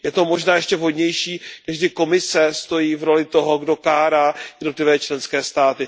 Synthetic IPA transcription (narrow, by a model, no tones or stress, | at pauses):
jɛt̪o̞mo̞ʒnaːjɛʃcɛvɦo̞dɲɛjʃiːnɛʒɡdɪko̞mɪsɛst̪o̞jiːvɾo̞lɪt̪o̞ɦo̞ɡdokaːɾaːjɛdno̞t̪lɪvɛːt͡ʃlɛnskɛːst̪aːt̪ɪ